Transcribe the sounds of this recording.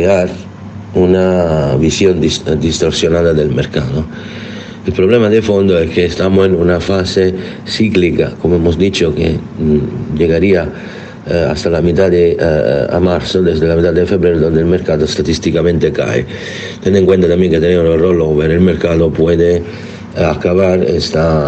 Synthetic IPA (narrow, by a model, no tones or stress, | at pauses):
keaɾ | unavisjond̪isd̪ist̪oɾsjonaːd̪ad̪elmeɾkaːd̪o | ilpɾoblɛmad̪efond̪oɛkʰːeːst̪amoinunafase | siklika̰komoɛmosd̪it͡ʃokḛ | d͡ʒeɡaɾia | a̰st̪alamit̪ad̪ea̰maɾsod̪ezd̪elamet̪ad̪ːefebɾɛɾod̪ond̪elmeɾkaːt̪ost̪at̪ist̪ikamẽnt̪eka̰ḛ | t̪ɛneŋkwent̪at̪ambjɛŋket̪ːenemosoroloveɾelmeɾkaːd̪opwɛd̪e | akːavaɾḛst̪a